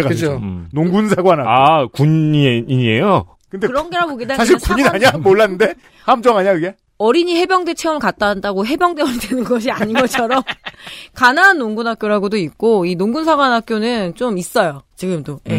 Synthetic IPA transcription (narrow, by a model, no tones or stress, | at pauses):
eɡaɯd͡ʑonoŋɡunsʰaɡwanaakuɲiiɲie̞jo | kɯndekɯɾʌnɡe̞ɾaboɡidasʰaɕʰiɭkuɲinaɲamoɭːanːɯnde̞ | hamd͡ʑʌŋaɲakɯɡe̞ | ʌɾiɲihe̞bjʌŋde̞t͡ɕʰeɯmɯɭkat̚t͈andaɡoɦe̞bjʌŋdeʌndwenɯnɡʌɕ̬ʰiaɲinɡʌt͡ɕʰʌɾʌmkananːoŋɡunɦak͈joɾaɡodoik̚k͈oinoŋɡunsʰaɡwanɦak͈jonɯnt͡ɕomis͈ʌjot͡ɕiɡɯmdoje